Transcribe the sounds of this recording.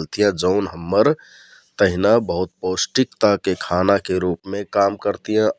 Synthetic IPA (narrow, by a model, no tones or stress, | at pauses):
lt̪ijãd͡ʒəʊnɦəmːəɾ | t̪əɦinabəɦut̪̚posʈikt̪akekʰanakeɾupmẽkamkəɾt̪ijã